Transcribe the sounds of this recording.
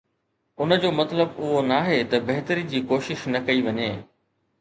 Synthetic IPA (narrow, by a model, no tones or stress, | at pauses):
ʊnə̆d͡ʑoːmɐt̪ləbʊɦonaːɦet̪ɐbɐɦɪt̪əɾid͡ʑiːkoːʃɪʃnɐkɐiʋɐɲeː